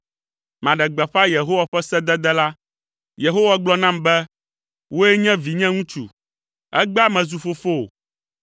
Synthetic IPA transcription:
mã˨ɖɛ˨ɡ͡bɛ˨ɸa˦je˨ɦo˦wa˨ɸɛ˦sɛ˦d̪ɛ˦d̪ɛ˦la˦ | je˨ɦo˦wa˨ɡ͡blɔ˦nã˦mbɛ˦ | wo˦jɛ˦ɲɛ̃˦vi˨ɲɛ̃˦ŋũ˦t͡ʃu˨ | ɛ̰˦ɡ͡ba˦mɛ̃˨zu˨fo˦fo˦o̰˨

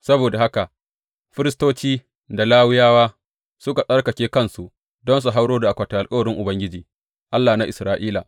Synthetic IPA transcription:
sɐ˦boː˨da˨ha˦ka˨ʔ | ɸɪ˦ɾɪ˦stoː˦t͡ʃiː˦ | da˨laː˦wɪ˦jaː˦waː˦ | sʊ˦ka˨sʼɐ˦rkɐ˨kʲeː˦kɐ˦nsu˨ʔ | dɔ˦ns̬u˨ɦa˦wɽoː˦da˨ʔa˨kʷɐ˨ta˨ʔa˨lkʼɐ˦wɐ˨ɽɪ˦ŋʔʊ˨bɐ˦ŋɡʲɪ˦d͡ʒiː˨ | ʔa˦lːaː˨na˦ʔɪ˨sɾaː˦ʔiː˦la̰˨

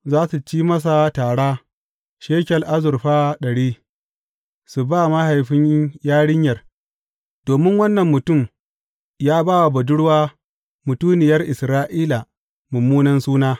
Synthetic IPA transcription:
zaː˦su˨t͡ʃiː˦mɐ˦s̬a˨taː˨ɽaː˦ | ʃeː˦kʲɐ˨lʔa˦zʊ˨ɾɸaː˦ɗɐ˨ɽiː˦ | su˨baː˦ma˦ha˨jɸɪ˦ɲjaː˦ɽɪ˦ɲjɐ˨r | d̥oː˨mɪ˦ŋwɐ˦nːɐ˨mːʊ˨tʊ˦˨m | jaː˦baː˦wa˨bɐ˨dʊ˦ɽwaː˦ | mʊ˨tuː˦nɪ˨jɐ˦rʔɪ˨sɾaː˦ʔiː˦la˨ | mʊ˨mːuː˦nɐ˦nsuː˦naː˦

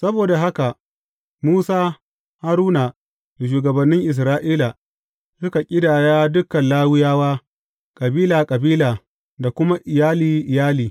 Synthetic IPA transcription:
sɐ˦boː˨da˨ɦa˦ka˨ʔ | muː˦saː˦ | ha˦ɾuː˦naː˨ | ʃ̬uː˨ɡɐ˨bɐ˨nːɪ˦ŋʔɪ˨s̬ɾaː˦ʔiː˦la˨ | sʊ˦ka˨kʲʼɪ˦daː˨jaː˦dʊ˦kɐ˨nlaː˦wɪ˦jaː˦waː˦ | kʼɐ˨biː˦laː˨kʼɐ˨biː˦laː˨ | da˨kʷʊ˦ma˦ʔɪ˨jaː˦liː˨ʔɪ˨jaː˦liː˨

